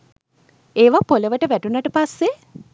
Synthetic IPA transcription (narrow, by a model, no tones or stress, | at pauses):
eːʋapoləʋəʈəʋæʈunaʈəpasːe